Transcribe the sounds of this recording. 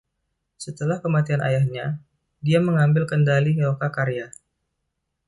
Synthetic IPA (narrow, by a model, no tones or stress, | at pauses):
sət̪əlahkəmat̪iana̰jahɲa | diaməŋambɪlkəndaliəokakaɾeja